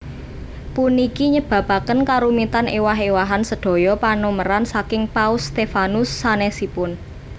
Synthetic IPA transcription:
punikiɲəb̥ä̤pa̤kənkaɾumit̪anewaɦewaɦansəɖ̥o̤jɔpanoməɾansakɪŋpaʊst̪efanʊsːanɛsipʊn

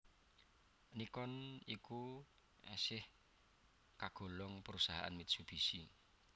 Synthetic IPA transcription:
nikɔniku | ɛsɪh | kaɡ̥o̤lɔŋpəɾusaɦa̰ʔa̰nmid̪sub̥i̤si

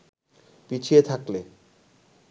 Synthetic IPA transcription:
pit͡ɕʰiet̪ʰakle

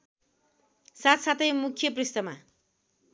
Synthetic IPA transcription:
sat̪sat̪ʌjmukʰjʌp̬rist̪ʌma

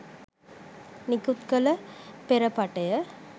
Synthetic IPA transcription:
nikut̪kələpeɾəpaʈəjə

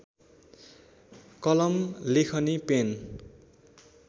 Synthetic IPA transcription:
kʌlʌmlekʰʌnipen

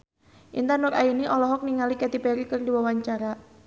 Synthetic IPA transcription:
ʔḭnt̪anʊrainiʔɔlɔɦɔk̚niŋalikɛt̪ipɛɾikɨrdiwawaɲt͡ʃaɾa

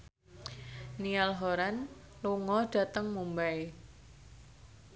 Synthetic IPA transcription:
nialɦoɾan | luŋɔɖ̥a̤t̪əŋmumbae

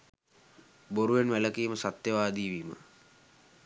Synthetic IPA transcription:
boɾuʋenʋæləkiːməsat̪jəʋaːd̪iːʋiːmə̰

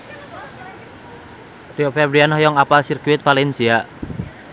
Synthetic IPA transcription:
riofɛbɾianɔjɔŋapasirkuɪt̪̚falɛnsia

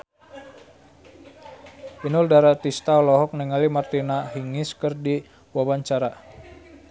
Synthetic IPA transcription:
inʊldaɾat̪ist̪aɔlɔɦɔk̚nɛŋalimart̪inaɦiŋiskərdi | wawaɲt͡ʃaɾa

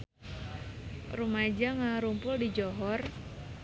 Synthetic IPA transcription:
rumad͡ʒaŋaɾumpʊldid͡ʒɔɦɔr

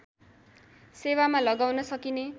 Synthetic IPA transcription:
sewamalʌɡawnʌsʌkine

